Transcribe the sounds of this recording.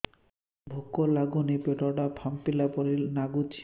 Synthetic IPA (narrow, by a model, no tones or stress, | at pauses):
bʱokːolaɡunipeʈɔʈapʰampilapɔɾilnaɡut͡ɕʰ